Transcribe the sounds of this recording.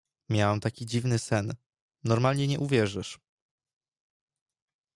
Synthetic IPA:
mʲjawɛmt̪akʲid͡ʑivnɘsɛn | nɔɾmalɲɛɲɛʔuvʲjɛʐɘʂ

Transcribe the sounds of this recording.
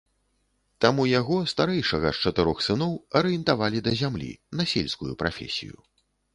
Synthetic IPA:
t̪amujaɣɔst̪aɾɛjʂɐɣɐst͡ʂɐt̪ɨɾɔxsɨnɔwɐɾɨjɛnt̪avalʲid̪ɐzʲamlʲḭnɐsʲelʲskujupɾʔa̰fʲḛsʲḭjṵ

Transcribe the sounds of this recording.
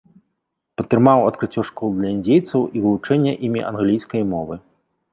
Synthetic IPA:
pɐt̪ːɾɨmawɐt̪̚kɾɨt͡sʲːɔʂkɔlˠd̪lʲɐinʲd͡zʲejt̪sɐwivɨlˠut͡ʂɛnʲːɛʔimʲḭʔɐ̰nɣlʲijskɐjmɔvɨ

